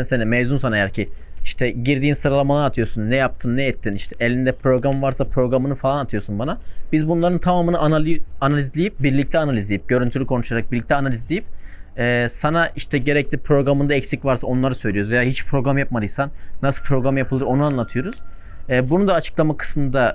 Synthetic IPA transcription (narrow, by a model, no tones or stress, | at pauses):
nsenimevzunsanaejæɾcʰi | iʃt̪ʰɛɟiɾd̪iːnsɯɾalˠamalˠaːt̪ʰɯjoɾsunːɛjap̚t̪ʰɯnːɛɛt̪ʰːiniʃt̪ʰɛʔelʲind̪ɛpʰɾo̞ɡɾamvaɾsapʰɾo̞ɡɾamɯnɯfalˠanat̪ʰɯjo̞ɾsunbanabizbunlˠaɾɯnt̪ʰamaːmɯnɯʔanaanalʲizlʲijip̚biɾlʲic̚t̪ʰɛanalʲizlʲejip̚ɟø̞ɾynt̪ʰylʲikʰo̞nuʃaɾak̚biɾlʲict̪ʰɛanalʲizlʲejip̚ɛːsanaʔiʃt̪ʰɛɟe̞ɾɛclʲipʰɾo̞ɡɾamɯnd̪aɛcsicvaɾsao̞nlˠaɾɯsø̞jlʲijoɾzvejaːɦit͡ʃpʰɾo̞ɡɾamjap̚mad̪ɯjsannːasɯlˠpʰɾo̞ɡɾamjapʰɯlˠɯɾo̞nuanlˠat̪ʰɯjo̞ɾuz̥ | ɛːbunund̪aːt͡ʃʰɯ̥klˠamakʰɯ̥smɯnd̪a